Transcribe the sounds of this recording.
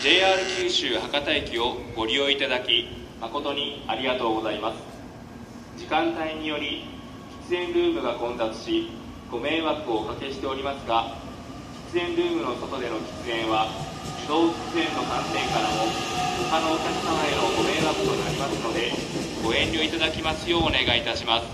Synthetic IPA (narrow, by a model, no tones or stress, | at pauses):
d͡ʑe̞ːaːɾɯ̟kʲɨːɕɨːhakat̪aikʲio̞ɡ̥o̞ɾʲio̞it̪ad̪akʲi | mako̞t̪o̞ɲ̟iaɾʲiɡat̪o̞ːɡo̞zaimasɨ̥ | d͡ʑikãnt̪aiɲ̟ijo̞ɾʲi | kʲi̥t͡sɨẽ̞nɾɯ̟ːmɯ̟ɡakõ̞nd̪at͡sɨ̥ɕi | ɡ̥o̞mẽ̞ːβakːɯo̞kake̞ɕi̥t̪e̞o̞ɾʲimasɨɡa | kʲi̥t͡sɨẽ̞nɾɯ̟ːmɯ̟no̞t̪o̞t̪o̞d̪e̞no̞kʲi̥t͡sɨẽ̞ɰ̃βa | ɯd̪o̞ːd͡ʑi̥t͡sɨẽ̞nːo̞kãnsẽ̞ŋkaɾamo̞ɡohano̞ːkʲakʲi̥samaeno̞ɡo̞me̞ːbakːɯ̟t̪o̞naɾʲimasɨno̞d̪e̞ | ɡ̥o̞ẽ̞ɲʲːio̞it̪ad̪akʲimasɨjo̞ːne̞ɡait̪aɕimasɨ̥